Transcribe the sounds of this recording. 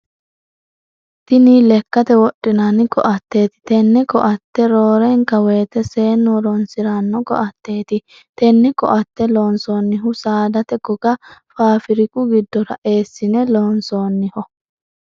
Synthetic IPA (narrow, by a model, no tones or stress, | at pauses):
t̪ɪniːlɛkːɐt̪ɛwɔɗːɪnanɪkɔʔɐt̪ːe̞ːt̪ɪ̥t̪ɛnːɛkɔʔɐt̪ːɛɾoːɾɛŋkɐweːt̪ɛse̞ːnːɔɾɔnsɪɾanːɔkɔ̰ʔɐt̪ːe̞ːt̪ɪ | t̪ɛnːɪkɔ̰ʔɐt̪ːɛloːnsoːnːɪɦʊsaːd̪ɐt̪ɛɡɔɡɐfaːfɪɾɪkʊɡɪd̪ːɔɾɐʔe̞ːsːɪnɛloːnsoːnːɪhɔ